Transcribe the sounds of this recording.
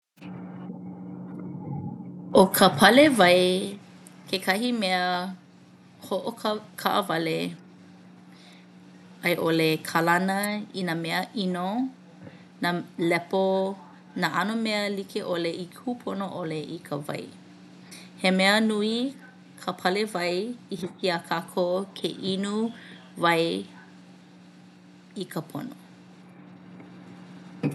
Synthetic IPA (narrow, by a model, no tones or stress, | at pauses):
ʔokʰəpʰɐlevɐj | kʰekʰɐɦimeə | hoʔokkʰaʔəvɐle | ɐjʔolekʰalɐnəinameəʔino | nalɛpo | naʔɐnomeəlikʰeʔoleʔiupʰonoʔoleʔikʰəvɐ̰j | hemɛənui | kʰəpʰɐlevɐjihikiəkʰakʰokʰeʔinu | vɐj | ikʰəpʰo̰no̰